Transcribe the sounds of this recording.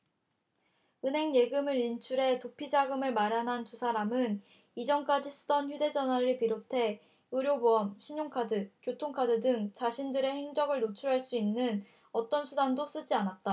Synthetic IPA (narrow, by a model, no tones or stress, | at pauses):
ɯnɦe̞ŋje̞ɡɯmɯɾint͡ɕʰuɾe̞topʰid͡ʑaɡɯmɯɭmaɾjanɦantusʰaɾamɯn | id͡ʑʌŋk͈ad͡ʑisʰɯ̥d͈ʌnçjude̞d͡ʑʌnwaɾɯɭpiɾotʰe̞ | ɯɾjobuʌmɕʰiɲoŋkʰadɯkjotʰoŋkʰadɯdɯŋt͡ɕaɕʰindɯɾe̞he̞ŋd͡ʑʌŋɯɭnot͡ɕʰuɾɦaɭs͈uinːɯn | ʌt͈ʌnsʰudandos͈ɯd͡ʑianat̚t͈a